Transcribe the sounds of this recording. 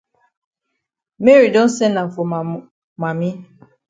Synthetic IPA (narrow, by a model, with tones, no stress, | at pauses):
me˦ɾi˨do˦n̩˦se˦na˨m̩˨fo˨ | ma˨mi˦